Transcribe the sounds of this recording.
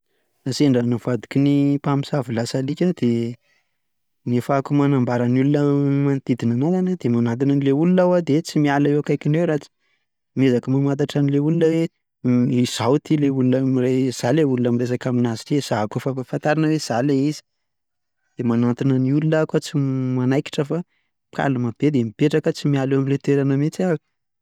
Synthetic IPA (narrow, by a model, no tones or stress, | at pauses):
naseɳɖ͡ʐanuv̥ad̪i̥kʲinipamisavilasalikʲad̪̥e | nefakumanambaɾanulunəmant̪id̪inanazanad̪emanant̪̬inənileulunawad̪et͡simialaeakajkinewɾat͡si̥ | mezakəmamant̪̬aʈ͡ʂanileulunəwe | iz̥awt̪ileulunəmirez̥aleulunamiɾes̬akaminazi̥ʈ͡ʂez̥aɦakofaafant̪aɾanəwez̥aleizi̥ | d̪̥emanant̪inəniulunakat͡simanajki̥ʈ͡ʂəfḁ | ka̰lumab̥ed̪emipeʈ͡ʂakət͡simialewamilet̪eɾanəmet͡sia